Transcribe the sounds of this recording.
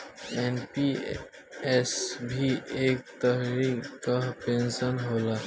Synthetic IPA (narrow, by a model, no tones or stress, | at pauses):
enpi | esbʱiek̚t̪əɦɾikapensənɦola